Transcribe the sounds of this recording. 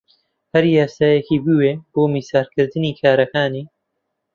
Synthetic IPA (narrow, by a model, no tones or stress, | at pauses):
hɐɾjaːsaːjɛkiːbiweːb̥oːmiːsaːɾkʰɨɾd̪ɨniːkʰaːɾɐkaːniː